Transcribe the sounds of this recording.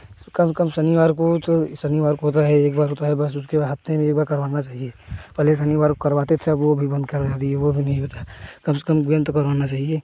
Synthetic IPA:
kɐmsəkɐmsɐnɪʋaːɾkot̪osɐnɪʋaːɾkɦoːt̪̬aɦɛeːkbaːɾɦoːt̪aɦɛbɐsʊskeɦɐpt̪ẽmẽeːk̚baːɾkɐɾʋaːnat͡ʃaːɦieːpɛːles̬ɐnɪʋaːɾkokɐɾʋaːt̪et̪ʰeɐʋobʱibɐ̃nd̪̚kɐɾd͡ʒaːt̪iɦɛʋobʱinɐɦĩɦoːt̪aɦɛkɐmsə̥kɐmɡent̪okɐɾʋaːnat͡ʃaːɦieː

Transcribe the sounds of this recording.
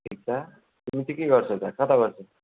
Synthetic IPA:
ʈʰik̚t͡sʰʌ | t̪umit̪ikeɡʌrt͡sʰʌt͡sʰakʰat̪aɡʌrt͡sʰo

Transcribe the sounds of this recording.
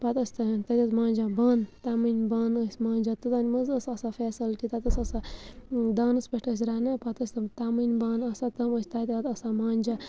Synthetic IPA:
pɐt̪əsʲt̪ɐt̪ɐt̪ʲɐt̪mãːnʲd͡ʒabaːnt̪amɨnʲbaːnəsʲmãːnʲd͡ʒat̪ɨt̪anʲmɐzəsɐsafʰeːsɐlʈit̪at̪ɐsɐsa | d̪aːnɨspɐʈəs̬ʲɾanɨpɐt̪əsʲt̪ɐt̪amɨnʲbaːnɐsat̪ɐməsʲt̪at̪at̪ɐsamaːnʲd͡ʒa

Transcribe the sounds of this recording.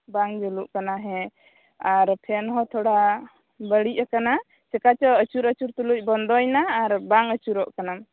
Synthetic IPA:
baŋd͡ʒuluʔkanaɦɛ̃ | aɾpʰɛnɦɔt̪ʰɔɽa | bəɽic̚akana | t͡ʃɛkat͡ʃɔət͡ʃuɾət͡ʃuɾt̪uluc̚ˀbɔnd̪ɔjnaːɾbaŋət͡ʃuɾɔʔkanam

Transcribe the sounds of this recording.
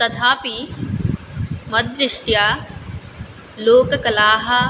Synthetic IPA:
t̪ɐt̪ʰaːpi | mɐd̪ɾɪʂʈjaː | loːkɐkɐlaːɦɐ

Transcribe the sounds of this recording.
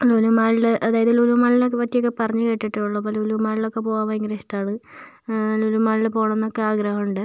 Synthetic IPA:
lolumaːɭilʔɐðaːjɐðɨluluʋmaːlilokːepɐtːijokːepɐrɐɲːɨkeːʈːiʈːɨuɭːɐpːolulumaːɭilo̞kːe̞poːɣaːmɐiŋɡɾeɕi̥t̪aːɳɨ | lulumaːɭilpo̞ːɣɳenːokːe̞aːɡɾɐhɐmuɳɖɨ

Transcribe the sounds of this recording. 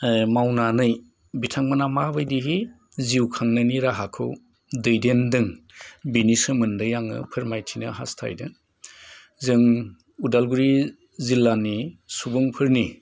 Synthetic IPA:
mawnanɯj | bitʰaŋmɯnamabɯjdiɦi | ziwkʰaŋnaniɾaɦakʰɯ̰w | dɯjdendɯŋ | binisɯmɯndɯjaŋɯ̰pʰɯɾmajtʰinɐ̰ɦa̰stʰa̰jdɯ̰ | zɯŋ | udalɡuɾi | zilːanisubɯŋpʰɯɾni

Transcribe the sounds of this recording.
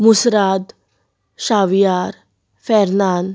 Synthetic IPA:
musɾad̪ | ɕaʋjaɾ | fɛɾnan

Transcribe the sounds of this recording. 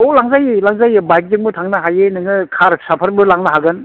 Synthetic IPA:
olaŋzajlaŋzajbajk̚dɯŋbɯtʰaŋnaɦajenɯŋɯkʰaɾsapʰɐɾbɯlaŋnɯɦaɡɯn

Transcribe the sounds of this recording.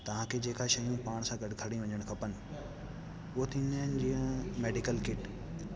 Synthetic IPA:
t̪ɐʋ̤ãkʰed͡ʑeːkʰaʃɐjũpaːɽ̃sãɡɐɖkʰɐɽĩʋɐɲəɽ̃kʰɐpənɪ̆ | ʊɦot̪ʰĩnand͡ʑiːə̃meːɖɪkəlkɪʈ

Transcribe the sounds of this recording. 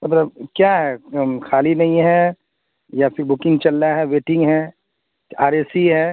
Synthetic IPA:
mɐt̪ləbkjaɦɛkʰaːlinɐɦĩɦɛ | japʰɪɾbʊkɪ̃ŋɡt͡ʃɐlːaɦɛʋeːʈɪ̃ŋɡɦɛ | aːɾeːsiɦɛː

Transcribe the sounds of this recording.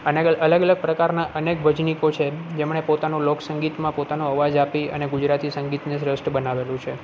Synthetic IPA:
əneələɡələɡ̚pɾəkaɾnaʔənekbʱəd͡ʒnikot͡ʃʰed͡ʒemɳepot̪anũloksəŋɡit̪mãpot̪anũəʋad͡ʒapiə̰neɡud͡ʒɾat̪isəŋɡit̪nisɾəsʈbənaʋelũt͡ʃʰe

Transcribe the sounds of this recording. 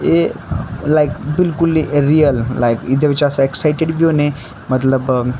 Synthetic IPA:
e | lajk̚bilkuliɾiəllajkit̪̬ʰeʋit͡ɕaəsaeksajʈeɽʋjune | mət̪ləb

